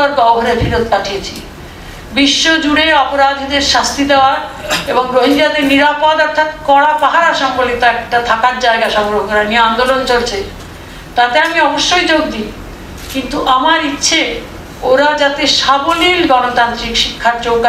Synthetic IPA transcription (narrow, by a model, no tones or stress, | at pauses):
aɾɡɔboɦoɾeɾbʱiɾod̪̚paʈʰiet͡ɕʰi | biʃːod͡ʑuɽeɔpoɾad̪ʱid̪eɾʃast̪id̪eoaɾeboŋɾoɦiɲd͡ʑad̪eɾniɾapod̪ɔɾt̪ʰat̪kɔɽapaɦaɾaʃɔŋbolit̪aɛk̚ʈat̪ʰakaɾd͡ʑaeɡaʃɔŋɡɾoɦokɔɾanieand̪olont͡ɕolt͡ɕʰe | t̪at̪eamiɔboʃːojt͡ɕoɡd̪i | kint̪uʔamaɾitːɕʰe | oɾad͡ʑat̪eʃabolilɡɔnot̪ant̪ɾikʃikʰːaɾt͡ɕoɡa